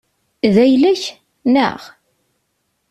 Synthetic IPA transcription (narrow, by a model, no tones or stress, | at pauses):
ðæjlæç | nə̰ʁ